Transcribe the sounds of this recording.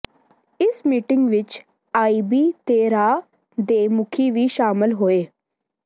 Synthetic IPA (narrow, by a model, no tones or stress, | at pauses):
ɪsmiːʈɪŋɡʋɪt͡ʃ | aːiːbiːt̪eːɾaː | d̪eːmʊkʰiːʋiːʃaːmɪlɦoːeː